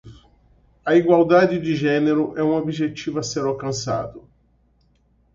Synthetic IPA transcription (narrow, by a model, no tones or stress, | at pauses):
ɐiɡwawd̪ad͡ʒɪd͡ʒɪʒɛneɾʊʔɛũobiʒet͡ʃivʊɐseɾawkɐ̃sa̰d̪ʊ